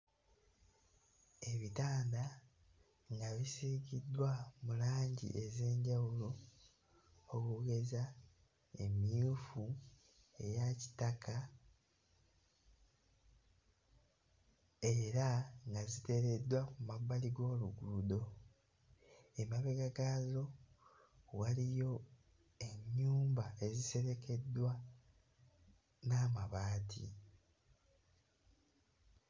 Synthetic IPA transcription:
e̞βitaːnda | ŋɡaβisikidːwamulaːɲɟḭʔe̞ze̞ːɲɟawulo̞ | okuɡe̞za | ḛmiufu | e̞jaci̥taka | e̞ɾaŋɡazite̞ɾe̞dːwakumabːaliɡo̞ːluɡudo̞ | emaβeɡaɡazo̞ | walijo̞ | e̞ɲːuːmbae̞zise̞ɾe̞ke̞dːwa | naːmaβaːtʰḭ

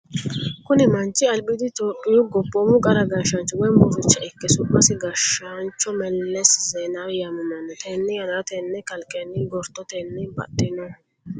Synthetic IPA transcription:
kʊnɛmɐnt͡ʃʼːɪɐlbɪd̪ɪt̪oːpʼːɪjʊɡɔpʼːɔmʊkʼɐɾɐɡɐʃɐnt͡ʃːɔwɛmbʊɾʊt͡ʃːɐɪkːɛsʊbʼːɐsɪɡɐʃant͡ʃːɔmɛlːɛszenajɐmʊmɐnːɔt̪ʰɛnːɪjɐnɾɐt̪ɛnːɛkɐlkʼːɛnːɪɡɔɾt̪ːɔt̪ɛnːɛbɐ̰t̪ːɪnɔ

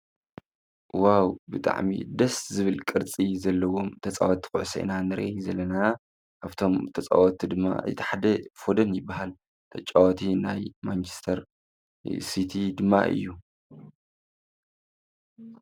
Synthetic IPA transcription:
wawbɨt̪ʼa̰ʕmḭd̪ɐszɨβɨlkʼɨɾt͡sʼizɐlːɐwo̞mt̪ʰɐt͡sʼawɐt̪ːkʼʊʕsɐ̰ʔḭnanɨɾʔejzɐlːɐna | kaβt̪ʰo̞mt̪ʰɐt͡sʼa̰wɐt̪ʰːid̪ɨmːa̰ɨ̰jt̪ʰɐħad̪ɐfod̪ɐnjɪbːaɦal | t̪ʰɐt͡ʃʼːawt̪ʰinajmant͡ʃʰɪ̥st̪ʰɐɾ | sit̪ʰid̪ɨmːa̰ʔɨ̰jːu

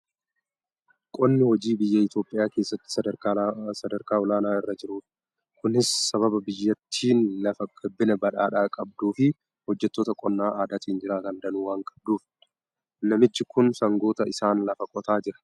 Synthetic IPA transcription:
kʼɔnːɪhɔd͡ʒiːbɪjːɐɪt̪jo̞ːpʼːɪjaːke̞ːsːɐt̪ːɪ̥sɐ | sɐd̪ɐɾkaːɔlaːnaːɪrːɐd͡ʒɪɾuːᶑ | kʊnɪsːɐβɐbɐbɪjːɐt̪ʰːiːnlɐfɐkʼɐbːɪnɐbɐᶑaːᶑaːkʼɐb̚d̪uːfɪ | hɔd͡ʒːɛt̪ːoːt̪ɐkʼɔnːaːʔaːd̪aːt̪iːnd͡ʒɪɾaːt̪ɐnd̪ɐnuːwaːŋkʼɐ̥b̚d̪uːf | nɐmɪt͡ʃːɪkʊnsɐŋɡoːt̪ɐʔɪsaːnlɐfɐkʼɔt̪aːd͡ʒɪɾɐ̥

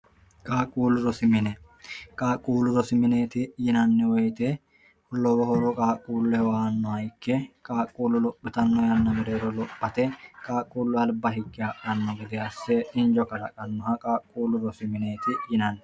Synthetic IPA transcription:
kʼaːkʼːuːlːʊɾɔsɪmɪnɛ | kʼaːkʼːuːlʊɾɔsɪmɪneːt̪ɪjɪnɐnːɛwɔjt̪ɛ | ɔlɔwɔhɔɾɔkʼaːkʼuːlːɛwaːnːɔɐjkːɛkʼaːkʼːuːlːʊlɔpʼːɪt̪ɐnːɔjɐnːɐbɛɾeːɾɔlɔpːɐt̪ɛkʼaːkʼːuːlːʊɐlbɐɦɪkʼːɪakʼɐnːɔɡɪd̪ɛɐsːɛɪnd͡ʒɔkɐɾɐkʼɐnːɔhɐkʼaːkʼːuːlːʊɾɔsɪmɪneːt̪ɪjɪnɐnːɛ

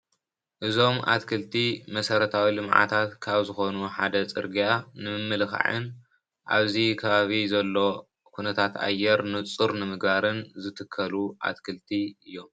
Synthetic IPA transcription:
ʔɨzo̞mʔa̰t̪kʰɨlt̪ʰimɐsɐɾɐt̪ʰawilɨmʕa̰t̪ʰat̪kʰaβzɨxo̞nuħad̪ɐt͡sʼɨ̰ɾɡijanɨmɨmːɨlxa̰ʕɨ̰n | ʔa̰βzikʰɐβaβizɐlːo̞ | kʰunɐt̪ʰat̪a̰jːɛɾnɨt͡sʼɨɾnɨmɨɡβaɾɨnzɨt̪ʰɨkʰːɐluʔa̰t̪kʰɨlt̪ʰiɨjːo̞m

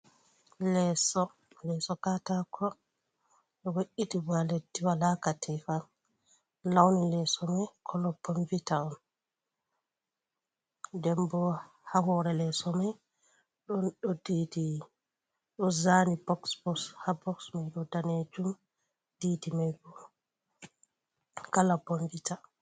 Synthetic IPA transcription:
lɛsɔ | lɛsɔkatakʰɔ | ɗɔwoʔitibaletːiwalakatʰɛfa | lawnilɛsɔmajkʰɔlɔbɔmvitaɔn | dɛmbɔ | hahɔɾɛlɛsɔmaj | ɗɔnɗɔdidi | ɗɔzanibɔksbɔshabɔksmajɗɔdaned͡ʒum | d̥iːdimajbɔ | kalabonvita

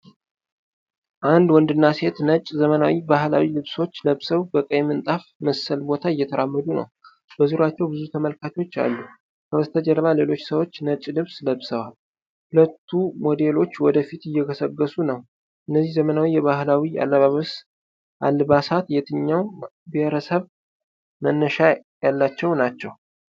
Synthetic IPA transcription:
ʔand̪wɔnd̪ɨnːase̞t̪nət͡ʃʼzəmənawibahla̰wilɨβso̞t͡ʃːləβsəwbəkʼəjmɨnt̪ʼafməsəlbo̞t̪ʰaɪjːɛt̪ʰəɾamːəd̪unə̰w | b̥əzuɾat͡ʃːɛwbɨzut̪ʰəməlkʰat̪ot͡ʃːa̰lːu | kʰəwəst̪ʰəd͡ʒɛɾəβale̞lo̞t͡ʃːsəwo̞t͡ʃːnət͡ʃʼlɨβsləβsəwal | hulət̪ʰːumo̞d̪elo̞t͡ʃːwɔd̪əfit̪ɪjːɛɡəsəɡːəsunəw | ʔɨnːəzːihzəmənawijɛβahlawia̰lːəβaβəs | ʔalβasat̪jɛt̪ʰɨɲːaw | beheɾəsəβ | mənːəʃajalːat͡ʃːɛwnat͡ʃːɛw

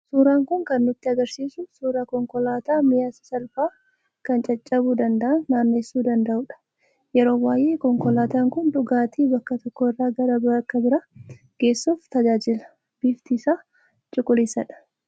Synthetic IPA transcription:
suːɾaːŋkʊŋkɐnːʊt̪ːɪɐɡɐɾsiːsʊsuːɾakɔŋkɔlaːt̪aːmɪjasɐ̥sɐlfaː | kɐnt͡ʃʼɐt͡ʃʼːɐbud̪ɐnd̪ɐʔɐnːaːnːeːsːuːd̪ɐnd̪ɐʔʊᶑɐ̥ | jɛɾo̞ːwaːjʔeːkɔŋkɔlaːt̪aːŋkʊnᶑ̪ʊɡaːt̪iːbɐkːɐt̪ɔkːɔɪrːaːɡɐɾɐbɾɐɐkːɐbɪɾɐ | ɡ̥e̞ːsːuːft̪ɐd͡ʒaːd͡ʒɪlɐ | b̥iːft̪iːsaː | t͡ʃʼʊkʼːʊliːsɐᶑɐ̥

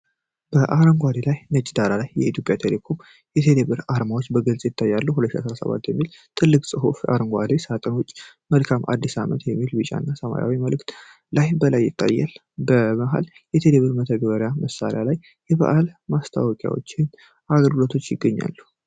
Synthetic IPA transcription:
b̥əʔaɾəŋɡʷad̪elajnət͡ʃʼːd̪aɾalajːɛit̪ʰjo̞pʼjat̪ʰe̞le̞kʰo̞m | jɛt̪ʰe̞leβɨɾaɾmawot͡ʃːbəɡɨlsʼjɪt̪ʰːajːalːuɦulət̪ːʃa̰səɾasə̰βa̰t̪ːjɛmːilt̪ʰɨlːɨkʼsʼɨɦufa̰ɾəŋɡʷa̰d̪esat̪ʼənʊt͡ʃʼː | məlkʰamʔa̰d̪ːisamɨnt̪jɛmːilbɨt͡ʃʼa̰nːasəma̰ja̰wiməlɨkt̪ | lajbəlajːɪt̪ʰʼːa̰jːa̰l | bəməɦa̰l | jɛt̪ʰe̞leβɨɾmət̪ʰəɡəβəɾjaməsa̰ɾḛjalaj | jɛβa̰ʔalmast̪ʰa̰wɔkʼja̰wo̞̰t͡ʃːɪn | ʔaɡəlɡɨlo̞t̪ʰo̞t͡ʃːjɪɡːəɲːa̰lːu

